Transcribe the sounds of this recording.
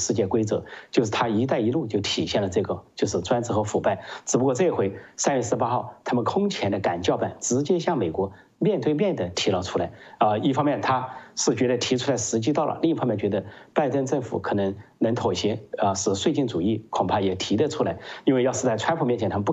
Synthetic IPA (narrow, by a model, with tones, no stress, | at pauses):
ʂɻ̩˥˧t͡ɕjɛ˥˩kwe˥ɪt͡sɤ̰˧˥t͡ɕjo˥˧ʊʂɻ̩˥˩t̪ʰa˥i˧˥t̪a˥˩ɪi˧˥lu˥˧t͡ɕjo˥˩ʊt̪ʰi˨˩ɕjɛ˥˩nlə˩t͡sɤ˥˩ɡə˩t͡ɕjo˥˧ʊʂɻ̩˥˩t͡swa˥nt͡sɹ̩˥xɤ˧˥fu˨˩pa˥˩ɪʈ͡ʂɹ̩˨˩pu˧˥kwɔ˥˧t͡sɤ˥˩xwe˧˥ɪsa˥njɥɛ˥˩sɹ̩˥˧pa˥xɑ˥˩ʊt̪ʰa˥mə˨nkʰʊ˥ŋt͡ɕʰjɛ˧˥nd̪ə˧ka˨˩nt͡ɕjɑ˥˧ʊpa˥˩nʈ͡ʂɻ̩˧˥t͡ɕjɛ˥ɕjɑ˥˩ŋme˨˩ɪkwɔ˧˥ | mjɛ˥˧nt̪we˥˧ɪmʲjɛ˥˩nd̪ə˩t̪ʰi˧˥lə˧ʊʈ͡ʂʰu˥la˧˥ɪə˥˧i˥˩fɑ˥ŋmjɛ˥˩nt̪ʰa˥ʂɻ̩˥˩t͡ɕɥɛ˧˥d̪ə˧t̪ʰi˧˥ʈ͡ʂʰu˥la˧˥ɪʂɻ̩˧˥t͡ɕi˥t̪ɑ˥˩lə̰˩li˥˧ŋ˧fɑ˥mjɛ˥˩nt͡ɕɥɛ˧˥d̪ə˧pa˥˧ɪʈ͡ʂə˥˧nʈ͡ʂɤ˥˩ŋfṵ˨˩˦kʰɤ˨˩nə˧˥ŋnə˧˥ŋt̪ʰo˨˩ʊɕɛ˧˥ə˧ʂɻ̩˧˩swe˥˧t͡ɕi˥˩nt͡su˨˩i˥˩kʰʊ˨˩ŋpʰa˥˩jɛ˨˩t̪ʰi˧˥d̪ə˧ʈ͡ʂʰu˥la˧˥ɪi˥nwe˥˧ɪjɑ˥˧ʂ̩˥˧t͡sa˥˩ɪʈ͡ʂʰwa˥npʰu˨mjɛ˥˩t͡ɕʰɛ˧˥t̪ʰa˥m˧p